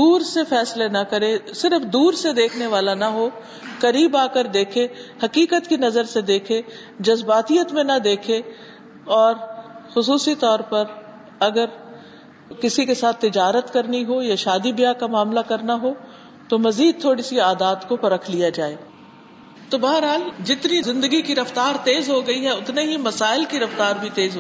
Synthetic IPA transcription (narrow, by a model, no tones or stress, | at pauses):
d̪uːɾsefɛːslenɐkɐɾesɪɾfd̪uːɾsed̪eːkʰneʋaːlanɐɦo | kɐɾiːbaːkəɾd̪eːkʰehɐkiːkət̪kinɐzəɾsed̪eːkʰe | d͡ʒɐzbaːt̪ijət̪mẽnɐd̪eːkʰe | ɔːɾxʊsuːsit̪ɔːɾpɐɾ | ɐɡəɾ | kɪsikesaːt̪ʰːɪd͡ʒaːɾət̪kɐɾniɦojaʃaːd̪ibɪjakamaːmlakɐɾnaɦo | t̪omɐziːd̪̚t̪ʰoːɽisiaːd̪aːd̪kopɐɾəkʰlijad͡ʒaːeː | t̪obɐɦəɾɦaːld͡ʒɪt̪nizɪ̃nd̪əɡikiɾɐft̪aːɾt̪eːzɦoɡɐiɦɛʊt̪neɦimɐsaːɪlkiɾɐft̪aːɾbʱit̪eːzɦ